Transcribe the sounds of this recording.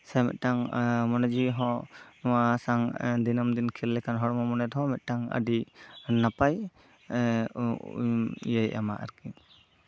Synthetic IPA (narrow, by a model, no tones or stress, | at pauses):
sɛmɛ̰t̪̚ˀʈaŋmɔnɛd͡ʒiɦɔnɔwasaŋd̪inəmd̪inkʰilːɛkanɦɔɽmɔmɔnɛd̪ɦɔmɛt̪̚ʈaŋə̰ɖinapaj | jəjʔa̰ma̰ʔə̰ɾki